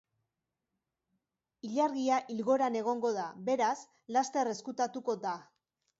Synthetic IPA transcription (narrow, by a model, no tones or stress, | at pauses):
iʎaɾɣiaʔilɣo̞ɾane̞ɣ̞o̞ŋɡo̞ðabe̞ɾas | last̪e̞re̞skut̪at̪uko̞d̪a